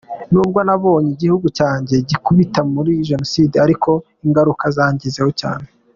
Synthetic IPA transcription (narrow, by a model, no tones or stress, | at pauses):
nuːb̚ɡwanaβo̞ːɲeiɟihuɡucaːɲɟe̞ɟikuβitamuɾiʒe̞nosiːdeaɾiko̞ | iŋɡaɾukazaːɲɟize̞hoca̰ːne